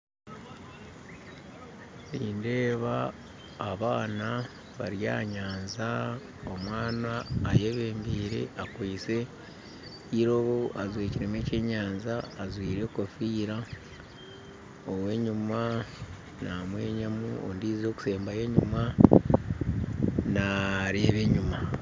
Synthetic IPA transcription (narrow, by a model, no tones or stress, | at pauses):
βiːnde̞ːβaː | βaːna | βaɾja̰ːɲaːnza | omwaːnaːje̞βe̞ːmbiːɾe̞̰akwiːse̞ | iɾo̞βoazweːciɾemece̞ːɲaːnzaːzwiːɾe̞kofiːɾa | owe̞ɲuma | namwe̞ːɲamuo̰ndiːzo̞ːku̥se̞ːmbaje̞ɲuma | naɾeːβe̞ɲuma